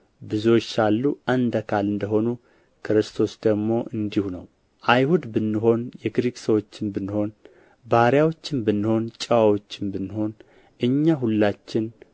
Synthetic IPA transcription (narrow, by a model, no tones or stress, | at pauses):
bɨzuwot͡ʃːalːuʔand̪əkʰalɨnd̪əɦo̞nu | kʰɨɾɨst̪ʰo̞sd̪̥əɡmo̞ʔɨnd̪ihunə̰w | ʔajhud̪bɨnːɨɦo̞njɛɡɾiksəwo̞t͡ʃːɪnbɨnːɨho̞n | baɾjawo̞t͡ʃːɪnbɨnːɨho̞nt͡ʃʼəwawot͡ʃːɪnbɨnːɨho̞n | ʔɨɲːaɦulːat͡ʃːɪn